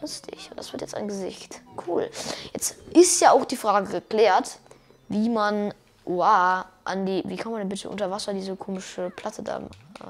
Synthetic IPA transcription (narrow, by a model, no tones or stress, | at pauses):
lʊstʰɪ̰çʔʊnd̥asv̥ɪɐtjɛt͡sta̰ɪnɡəzɪ̰çtkʰuːljɛt͡stʔɪstjaːʔaʊxd̥iːfʁ̥aːɡəɡəkl̥ɛːɐt | viːman | ʔuaːʔa̰ndiːviːkʰantmandɛnbɪtə̰ʔʊ̰ntɐvasɐdiːzəkʰoːmɪʃəpʰl̥atʰəda̰ːm̰ː